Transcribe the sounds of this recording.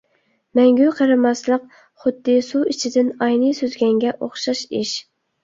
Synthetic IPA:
mɛŋɡʲyqʰɑɾɨmɑslˠəq̚ | χʊd̪ːɨsuit͡ʃʰɪd̪ɪnɑjnɨsøzɡʲɛŋɡʲɛʔoχʃɑʃɪʃ

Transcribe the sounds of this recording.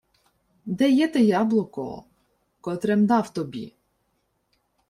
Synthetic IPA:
d̪ɛjɛt̪ɛjɑblˠɔkɔ̰ | kɔt̪ɾɛmd̪ɑwt̪ɔbʲḭ

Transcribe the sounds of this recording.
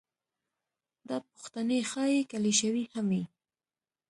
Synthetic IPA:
d̪ɑpʊ̥xt̪anexɑjekaleʃawihami

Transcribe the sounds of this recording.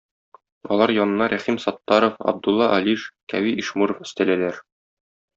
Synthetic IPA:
ɒlˠɑɾjɒnɤ̆nɑɾʔæχimsɒt̪ːɑɾofɑ̰b̚d̪ulˠːɑʔɒliʃkæwiʔiʃmuɾŏfɘ̆st̪ælælæɾ

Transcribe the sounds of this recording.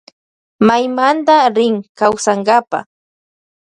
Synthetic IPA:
majmand̪aɾɪŋkawsaŋɡapa̰

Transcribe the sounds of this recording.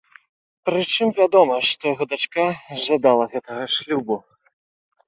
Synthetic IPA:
pɾɨt͡ʂɨmvʲad̪ɔmɐʂt̪ɔjaɣɔd̪at͡ʂkaʒad̪alˠɐɣɛt̪ɐɣɐʂlʲubu

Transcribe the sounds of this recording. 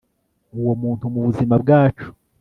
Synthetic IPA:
uwo̞muːntumuβuzimab̚ɡaːt͡ʃu̥

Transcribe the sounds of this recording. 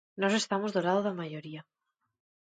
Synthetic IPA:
nɔse̞st̪amozðolaðoðamaʝoɾia

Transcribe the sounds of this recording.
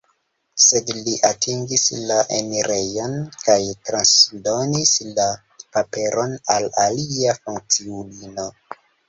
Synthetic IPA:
se̞dliʔatʰiŋɡislaʔeniɾejonkajtɾansdo̞nisla | pape̞ɾʔo̞nalaliafuŋk̚t͡siulino̞

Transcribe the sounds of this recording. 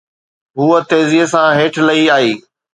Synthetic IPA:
ɦuːət̪eːzisãɦeːʈʰlɐiaːiː

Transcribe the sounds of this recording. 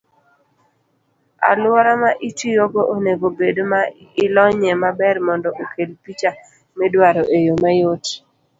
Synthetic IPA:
a̰laɾamaʔitijoɡoʔoneɡobedomaɪlɔɲɛmabɛrmɔndɔʔokʰelpit͡ʃa | mɛdwaɾoʔejomajot

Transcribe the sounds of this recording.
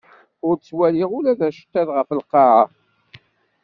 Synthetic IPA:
ʊɾt͡sːwæliʁʊlæðæʃə̥t̪ːæðʁəfəlqːɑʕa

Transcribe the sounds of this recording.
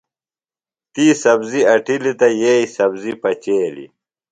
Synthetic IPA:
t̪iːsɐbziɐʈilit̪ɐjeːisɐbzipɐt͡ɕeːlḭ

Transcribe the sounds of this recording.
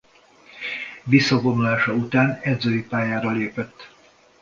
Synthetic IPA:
visːɒbo̞nulaːʃɒut̪aːnɛd̪zøːjipaːjaːɾɒleːpɛt̪ː

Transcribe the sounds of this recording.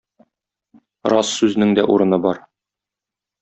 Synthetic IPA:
ɾɑsːʉz̆nɘŋd̪æʔuɾɤ̆nɤbɒɾ

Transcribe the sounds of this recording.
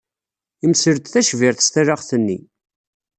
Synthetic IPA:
imsəɾt̪θæʃviɾθst̪æɾaʁθənːi

